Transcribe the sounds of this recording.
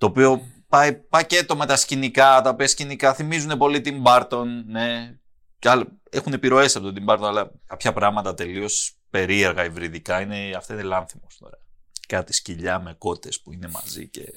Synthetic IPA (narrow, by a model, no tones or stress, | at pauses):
t̪o̞ːpio̞ | pɐipɐce̞t̪o̞me̞t̪ɐscinikɐt̪ɐopiɐscinikɐθimizune̞po̞lit̪imbɐɾt̪o̞nːe̞ | cɐl | exune̞piɾo̞e̞sisɐpot̪ot̪imbɐɾt̪o̞nɐlɐkɐpçɐpɾɐɣmɐt̪ɐt̪e̞lio̞s | pe̞ɾie̞ɾɣɐivɾiðikɐineɐft̪ɐinelɐnθimost̪ino̰ɾeɐkɐt̪i̥sciʎɐme̞ko̞t̪e̞spuine̞mɐ̰zḭce̞